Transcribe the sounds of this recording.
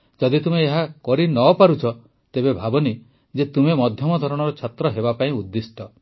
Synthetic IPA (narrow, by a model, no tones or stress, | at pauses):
d͡ʒɔd̪it̪umeːɦakɔɾinɔpaɾut͡ʃʰɔ | t̪ebebʱabɔni | d͡ʒet̪umemɔd̪ʱjɔmɔd̪ʱɔɾɔɽ̃ɔɾɔt͡ʃʰat̪ɾɔɦebapaĩud̪ːisʈɔ